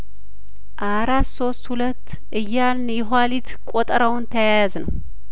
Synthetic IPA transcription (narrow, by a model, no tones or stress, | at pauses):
ʔaɾat̪so̞st̪hulət̪ː | ʔɨjːalnjɛɦalit̪kʼot̪ʼɾawnt̪ʰəjajaznəw